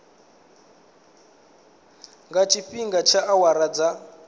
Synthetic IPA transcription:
ŋɡat͡ʃʰiɸiŋɡat͡ʃʰaʔawaɾad͡za

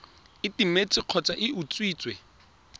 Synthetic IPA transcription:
ɪtimet͡sʼɪq͡χʰɔt͡sʼaʔɪut͡sʼwiːt͡sʼwɛ

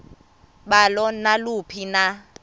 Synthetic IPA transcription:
ɓalɔnalupʰina

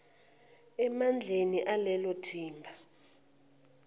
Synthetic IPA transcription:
ɛmand͡ɮʱeniʔalɛlɔtʰiːmbʱa

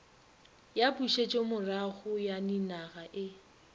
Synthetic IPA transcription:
japʼuʃet͡ʃʼemʊraχʊjaninaɣaʔɪ

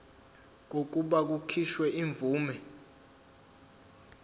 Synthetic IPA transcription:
k̬ok̬uɓak̬ukʰiʃwɛʔiɱb̪vuːmɛ

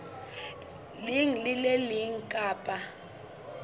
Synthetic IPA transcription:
liŋlɪlɛliŋ̩kʼaːpʼa

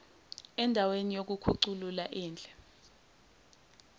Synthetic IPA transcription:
ɛndʱawenijok̬ukʰuǀulula̰ʔiːnd͡ɮʱɛ

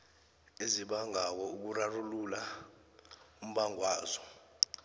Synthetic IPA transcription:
eziɓaŋaw̬ɔuk̬urarulula | um̩ɓaŋwaːzɔ

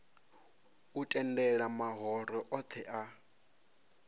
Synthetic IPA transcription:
utʼɛndɛɺamaɦɔɾɔʔɔt̪ʰɛʔa

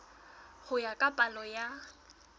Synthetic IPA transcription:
χʊjakʼapʼalɔja

